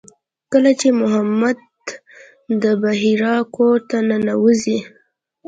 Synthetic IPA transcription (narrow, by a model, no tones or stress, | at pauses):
kəlat͡ʃemʊɦamad̪̚ | d̪əbaɦiɾɑkot̪anənawəzi